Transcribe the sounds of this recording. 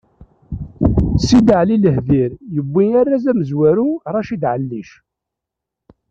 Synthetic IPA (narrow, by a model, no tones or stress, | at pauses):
sid̪əʕliləhðiɾjəbːijarːazæməzwæɾuɾˤɑʃid̪ʕəlːiʃ